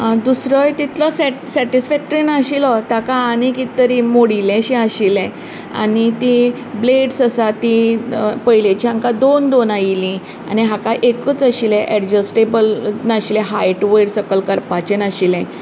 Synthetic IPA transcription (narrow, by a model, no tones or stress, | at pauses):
d̪usɾəjt̪it̪ʰləsɛsɛʈisfɛk̚ʈəɾinaɕilɔt̪akaːnikit̪əɾimoɽilɛ̃ɕiaɕilɛ̃ | a̰nit̪i | bleɖsəsat̪ipəjlet͡ɕiãŋkad̪ond̪onajilĩ | a̰niɦakaʔekət͡saɕilɛ̃ʔɛɖd͡ʑəsʈebəlnaɕilɛ̃ɦajʈʋəjɽsəkəlkəɾpat͡ɕenaɕilɛ̃